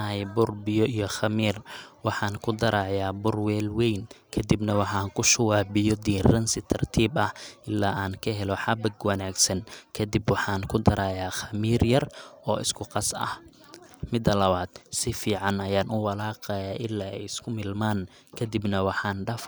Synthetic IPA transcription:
ɦɛjbʊrbɪjɔijɔχɐmiːrwɑħɑːŋkʰʊd̪ɐɾaːʕjaːbʊrwɛːlwɛjnkʰɐd̪ibnɐwɑħɑːŋkʰʊʃɐwaːbɪjɔd̪iːrɐnsɪt̪ʰɐrt̪ʰiːbɐhʔɪlːaːʔaːŋkʰɐɦɛlɔħɑbɐɡwɑnaːɡsɐnkʰɐd̪ibwɑħɑːŋkʰʊd̪ɐɾaːjaːxɐmiːrjɐrɔ̰ːɪ̰skʰʊqɑsɐ̰h | mɪd̪ɐlɐβaːd̪̥sɪfiːʕɑnɐjaːnʊwɑlaːqɑjaːʔɪlːaːɛ̰jɪskʰʊmɪlmaːn | kʰɐd̪ɪbnɐwɑħɑːnɖɐf

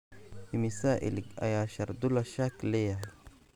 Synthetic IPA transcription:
fimisaːʔḭlkʔa̰jaːʃɑɾˤd̪ulaʃakleja

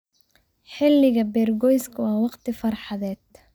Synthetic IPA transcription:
ħɪlːɪɣɐbɛːrɡɔjskʰʊwɑːwɑqt̪ʰɪfɐrħɑðɛːd̪

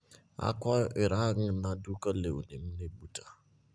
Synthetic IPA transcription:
a̰kɔɪɾaŋ̩nãdukəleṵnem̩nebutʰa

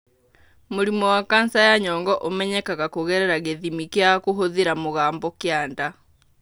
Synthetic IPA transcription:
moɾimɔwakansajaɲɔŋɡɔʔomɛɲɛkaɣakoɣɛɾɛɾaɣeðimikjakoɦoðiɾamoɣaːmbɔkeaːnda

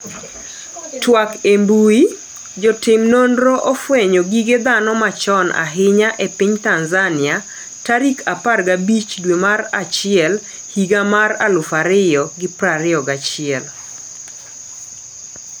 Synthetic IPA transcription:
twakembui | d͡ʒɔtɪmnondɾoʔofweɲoɡiɡed̪anɔmat͡ʃɔnʔa̰ɦɪɲaʔepɪɲtanzanɪa | taɾikʰaparɡabit͡ʃdwemaɾat͡ʃɪɛl | hiɡamara̰lʊfaɾɪjɔɡɪpɾaɾɪɔɡat͡ʃɪɛl

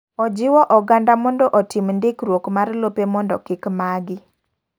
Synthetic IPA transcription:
ɔd͡ʒɪwɔʔɔɡandamɔndɔʔɔtimndɪkɾwokmarlopemɔndɔ̰kɪkmaɡɪ

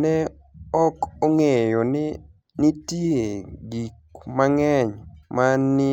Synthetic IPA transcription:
nɛ | ɔkoŋejonɪ | nitieɡikmaŋɛɲmanːɪ

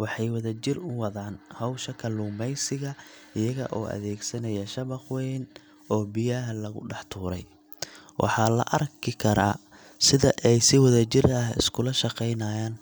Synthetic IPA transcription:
wɑħɑjwɐðɐt͡ʃɪrʊwɑðaːnhɐwʃɐkʰɐluːmɛjsɪɣɐ | ɪjɐɣɐ̰ʔɔːʔɐ̰ðɛːɡsɐnɐjɐʃɐβɑχwɛːn | ɔːbɪjɐɦɐlɐɣʊ̰ɖɑħt̪ʰuːɾɛ̰j | wʔɑ̰ħɑːlɐ̰ʔɐrkʰɪkʰɐɾaː | sɪðɐʔɛjsɪwɐðɐt͡ʃɪrɐɦɪ̰skʰʊlɐʃɑqɛjnaːjaːn

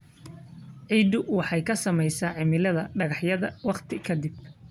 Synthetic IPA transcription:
ʕiːd̪ʊwɑħɑjkʰɐsɐmɛjsaːʕɪmɪlɐðɐɖɐɣɑħjɐðɐwɑχt̪ʰɪkʰɐd̪ɪb

